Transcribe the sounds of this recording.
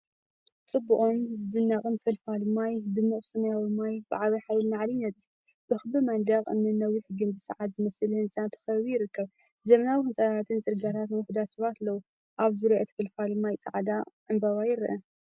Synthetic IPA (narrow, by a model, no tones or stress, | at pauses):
t͡sʼɨbːuʔʼomzɨd̪ɨnːaχʼɨnfɐlfalɨmːajd̪ɨmːuʔʼsɐmɐjawɨmːajbɨ̰ʕaβiħajlnaʕalinɐt̪ʼ | b̥ɨxɨbɨmand̪ɐkʼɨ̰mnɨnːɐwiħɨɡɨmbɨsɨʕat̪zɨmɐsɨlhɨnt͡sʼant̪ʰɨ̥xɐβujɪɾɨkʰːɐβ | zɐmɐnawiɨnt͡sʼɐtʰat̪ʰɨnt͡sʼɨɾɡat̪ʰat̪nwʊħd̪at̪sɐβat̪lːɐwu | ʔaβzɨɾoʔet̪fɨlfalɨmːajt͡sʼaʕd̪aʔɨmbɐβajɪɾʔɐ